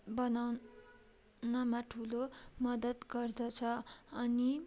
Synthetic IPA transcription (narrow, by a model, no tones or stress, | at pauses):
bʌnaw | nʌmaʈʰulomʌd̪ʌt̪ɡʌrd̪ʌt͡sʰʌʌni